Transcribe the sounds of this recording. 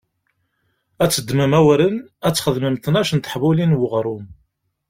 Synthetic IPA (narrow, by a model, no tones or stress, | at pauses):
æt͡sːəd̪ːməmæwɾənæt͡sːχəðməmθnæʃənt̪ə̥ħvulinwəʁɾˤum